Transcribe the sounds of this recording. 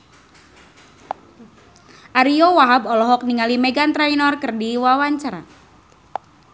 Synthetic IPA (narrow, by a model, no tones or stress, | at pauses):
ʔaɾiɔwaɦabɔlɔɦɔk̚niŋalimɛɡant̪ɾɛjnɔrkɨrdiwawaɲt͡ʃaɾa̰